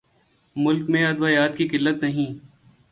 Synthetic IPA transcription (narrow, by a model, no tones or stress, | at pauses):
mʊlkmẽɐd̪ʋaːjaːt̪kikɪlːət̪nɐɦĩː